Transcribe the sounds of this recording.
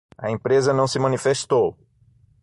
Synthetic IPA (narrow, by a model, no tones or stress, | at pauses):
ɐẽpɾezɐnɐ̃w̃sɪmɐ̃nifeʃt̪ow